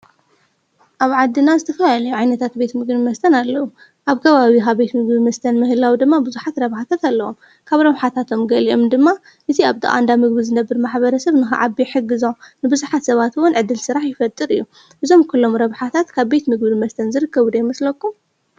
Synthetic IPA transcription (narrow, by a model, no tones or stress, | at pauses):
ʔaβʕad̪ːinazɨt̪ʰɐfɐlalɐjuʕajnɐt̪ʰat̪̚be̞t̪mɨɡbɨmɐst̪ʰɐnalːɐwu | ʔaβkʰɐβaβikaβbe̞t̪mɨɡbɨmɐst̪ʰɐnmɨhɨlawd̪ɨmːabɨzuħat̪ɾɐβħat̪ʰat̪alːɐwom | kʰaβɾɐβħat̪ʰat̪ʰo̞mɡɐliʔo̞md̪ɨmːa | ʔɨt̪ʰiaβd̪ɨ̰ʔa̰nd̪amɨɡbizɨnɐbːɨɾmaħbɐɾɐsɐβnɨxa̰ʕabiħɨɡːɨzonɨbɨzuħat̪sɐβat̪wʊnʕɨd̪ːɨlsɨɾaħjɪfɐt̪ʼːɨɾɨjːu | ʔɨzo̞mkʰulːo̞mɾɐβħat̪ʰat̪kʰaβbe̞t̪mɨɡbɨmɐst̪ʰɐnzɨɾɨkːɐβud̪ɐjmɐslɐkːum